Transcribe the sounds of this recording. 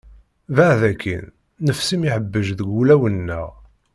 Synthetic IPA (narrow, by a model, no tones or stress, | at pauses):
vaʕðækːḭnː | əfsimiħəbːəʒðəɡulæwənːə̰ʁ